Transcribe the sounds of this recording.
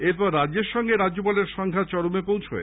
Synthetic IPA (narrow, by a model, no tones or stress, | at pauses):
eɾpɔɾːadd͡ʑeɾʃɔŋɡeɾad͡ʑd͡ʑopɔleɾʃɔŋɡʱat͡ɕɔɽomepõwt͡ɕʰo̰e